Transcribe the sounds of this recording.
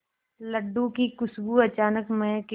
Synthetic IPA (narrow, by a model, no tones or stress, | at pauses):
ləɖːũkikʊsbuɐt͡ʃaːnəkmẽke